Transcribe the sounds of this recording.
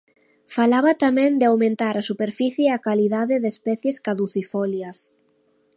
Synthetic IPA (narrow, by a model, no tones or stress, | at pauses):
falaβat̪amɛ̃nd̪ɪawmẽnt̪aɾasupeɾfiθjeakaliðaðɪðespɛθjeskaðuθifɔljas